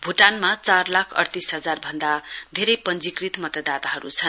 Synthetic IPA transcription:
bʱuʈanmat͡sarlakʰʌ̰rt̪isɦʌd͡zarbʱʌnd̪ad̪ʱeɾʌjpʌnd͡zikrit̪mʌt̪ʌd̪at̪aɦʌɾṵt͡sʰʌn

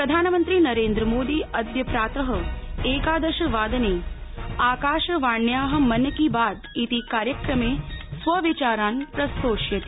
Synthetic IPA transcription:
pɾɐd̪ʱaːnəmənt̪ɾiːnɐɾeːnd̪ɾəmoːd̪iːɐd̪jɐpɾaːt̪əɦəeːkaːd̪ɐʃɐʋaːd̪ɐneːaːkaːʃɐʋaːɳjaːɦɐ̆mɐnkiːbaːd̪it̪ikaːɾjəkɾɐmeːsʋɐʋit͡ʃaːɾaːnpɾɐst̪oːʃjɐt̪i̥

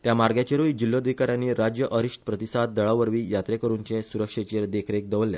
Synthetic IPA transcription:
t̪jamaɾɡjat͡ɕeɾujd͡ʑilːod̪ʱikaɾjãnːiːɾad͡ʑjəʔəɾiʂʈpɾət̪isad̪̚ːəɭaʋəɾʋiːjat̪ɾekəɾuɲt͡ɕẽsuɾəkʂet͡ɕeɾd̪ekʰɾek̚d̪əʋəlːja̰

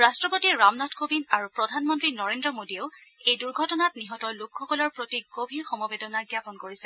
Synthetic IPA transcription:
ɹastɹɔpotiɹamnatʰkobinaɹupɹɔdʱanmɔntɹinɔɹendɹɔmodieʊejduɹɡʱɔtɔnatniɦɔtɔlokʰːɔkɔlɔɹpɹotiɡobʱiɹxɔmɔbedɔnaɡjapɔnkoɹisɛ

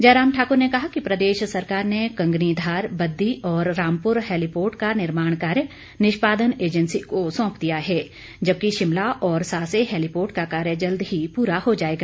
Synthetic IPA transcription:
d͡ʒɐːɾaːmʈʰaːkʊɾnekɐɦakipɾɐd̪eːʃsɐɾkaːɾnekɐ̃ŋɡnid̪ʱaːɾbɐd̪ːiʔɔːɾːãːmpʊɾɦɛːlipoːɾʈkanɪɾmaːɽ̃kaːɾjə | nɪʃpaːd̪əneːd͡ʒənsikosɔ̃ːpd̪ijaɦɛː | d͡ʒɐb̚kiʃɪmlaʔɔːɾsaːseɦɛːlipoːɾʈkakaːɾjəd͡ʒɐld̪ɦipuːɾahod͡ʒaːeːɡaː

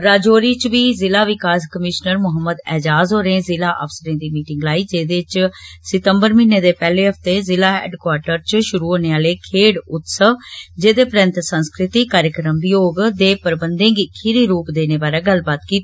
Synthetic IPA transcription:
ɾaːd͡ʒoːɾiːt͡ʃʋiːzɪlaːʋɪkaːskəmɪʃnəɾmʊɦəmːəd̪ɛːd͡ʒaːzɦoːɾẽːzɪlaːʔə̰fsəɾẽːd̪iːmiːʈɪŋɡlaːiːd͡ʒeːd̪et͡ʃsɪt̪əmbəɾmɪnːeːd̪eːpɛːleːɦəft̪eːzɪlaːɛ̰ːɖkwaːɾʈəɾt͡ʃʃʊɾuːɦoːneːaːleːkʰeːɽʊt̪səd͡ʒeːd̪eːpɾɛ̃nt̪sə̃nskɾɪt̪iːkaːɾjəkɾəmʋɪjoːɡd̪eːpəɾbənd̪ẽːɡikʰɪɾiːɾuːpd̪eːneːbaːɾeːɡəlbaːt̪kiːt̪ː

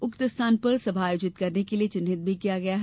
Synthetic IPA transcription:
ʊkt̪ɪst̪ʰaːnpɐɾsɐbʱaːjoːd͡ʒɪt̪kɐɾnekeliet͡ʃʊnɦɪt̪̚bʱikijaɡɐjaɦ

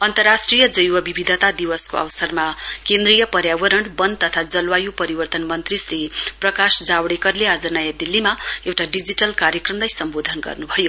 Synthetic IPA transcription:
ʌnt̪ʌrːasʈrijʌd͡zʌjwʌbibid̪ʱʌt̪ad̪iwʌskoʌ̰wsʌrmakend̪rijʌpʌɾjawʌɾʌɳɖbʌnt̪ʌt̪ʰad͡zʌlwajupʌɾibʌrt̪ʌnmʌnt̪risriprʌkasd͡zawɽekʌɾlead͡zʌnʌjad̪ilːimaewʈaɖid͡ziʈʌlkaɾjʌkrʌmlajsʌmbod̪ʱʌnɡʌ̰rnubʱʌjo

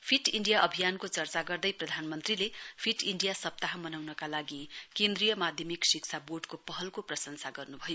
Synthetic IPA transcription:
pʰiʈiɳɖijaʔʌbʱijankot͡sʌrt͡saɡʌrd̪ʌjprʌd̪ʱanmʌnt̪rilepʰiʈiɳɖijasʌp̚t̪aɦamʌnawnʌkalaɡikẽnd̪rijʌmad̪ʱjʌmiksikt͡sʰaboɖkopʌɦʌlkoprʌsʌnsaɡʌrnubʱʌjo

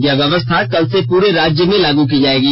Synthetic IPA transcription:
ɡjaʋjɐʋəst̪ʰakɐlsepuːɾeɾaːd͡ʒjəmẽlaːɡukid͡ʒaːeːɡiː

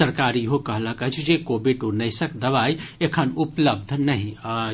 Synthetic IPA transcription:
əɾkaːɾiɦokɐɦlakət͡ʃʰd͡ʒekobiʈunɐɪsəkd̪əʋajekʰənʊpləb̚d̪ʱnəɦĩ

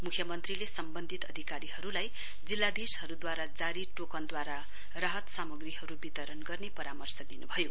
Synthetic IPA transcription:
mukʰjʌmʌnt̪rilesʌmbʌnd̪ʱit̪ʌd̪ʱikaɾihʌɾulaj | d͡zilːad̪ishʌɾud̪waɾad͡zaɾiʈokʌnd̪waɾa | rʌɦʌt̪samʌɡrihʌɾubit̪ʌɾʌnɡʌrnepʌɾamʌrsʌd̪inubʱʌjo

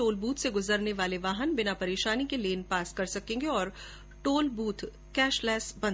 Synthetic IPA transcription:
oːlbuːt̪ʰseɡʊzəɾneʋaːleʋaːɦənbɪnapɐɾeːʃaːnikeleːnpaːskɐɾsɐkẽːŋɡeɔːɾ | ʈoːlbuːt̪ʰ | kɛːʃlɛːsbɐ̃n

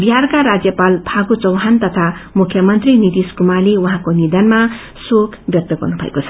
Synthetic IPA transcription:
biɦarkaɾad͡zjʌpalpʰaɡut͡sʌwɦant̪ʌt̪ʰamukʰjʌmʌnt̪rinit̪iskumaleuɦãkonid̪ʌnma | sokʰbjʌk̚t̪ʌɡʌ̰rnubʱʌ̰ḛkot͡sʰʌ̥

